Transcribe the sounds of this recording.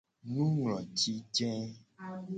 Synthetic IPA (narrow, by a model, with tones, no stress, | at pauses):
nũ˦ŋlɔ̃˨t͡ʃi˦d͡ʒɛ̃˦